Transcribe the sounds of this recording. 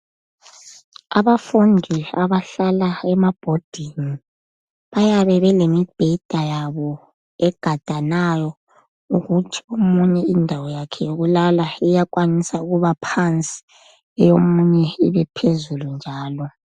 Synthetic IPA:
a̰βafundʱiaβaɬalaɛmab̥ʱod̥ʱini | βajaβɛβɛlemib̥ʱɛd̥ʱajaβɔ | ɛɡ̥ʱad̥ʱanajɔ | uɣutʰiomuɲɛindʱawɔjakʰɛjoɣulalaijakʼwanisauɣuβapʰant͡sʼi̥ | jomuɲɛiβɛpʰezulund͡ʒʱaːlɔ

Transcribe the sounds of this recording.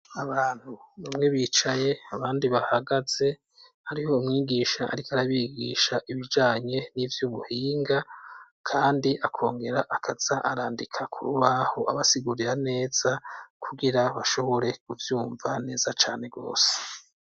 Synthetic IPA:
aβaːn̥hunumŋe̞βiːt͡ʃaje̞aβaːndiβahaɡaz̥e̞ | haɾiho̞umŋiːɡiːʃaʔa̰ɾikaɾaβiɡḭːʃaʔiβid͡ʒaːɲe̞nivjuβuhiːŋɡa | kʰaːndiʔakʰo̞ːŋɡe̞ɾaʔakʰaz̥aʔaɾaːndikʰakʰṵɾuβahoʔaβasiɡuɾiɾane̞ːz̥akʰuɡiɾaβaʃo̞βo̞ɾe̞kuvjuːɱvane̞ːz̥at͡ʃaːne̞ɡo̞̰ːse̥

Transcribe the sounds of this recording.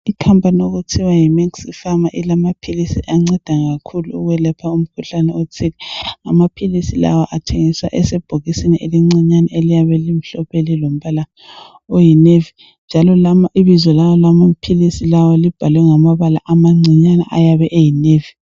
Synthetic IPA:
ikʰampʼanioɣutʰiwajimiŋsifamaʔilamapʰilisḭʔaŋ͡ǀɛd̥ʱaɣakʰuluṵɣwɛlɛpʰaum̩kʰuɬanɛotʰilɛŋa̰mapʰilisila̰wɔʔatʰeŋiswa̰ʔɛsɛb̥ʱoɣisiniʔeliŋ͡ǀiɲanaelijaβɛlim̩ɬɔpelilom̩βala | ojinevi | nd͡ʒʱalɔlamaʔiβizwɔlawɔlamum̩pʰilisilawɔlib̥ʱalwɛŋamaβala̰ʔamaŋ͡ǀʱiɲana̰ʔajaβɛʔejineːvi

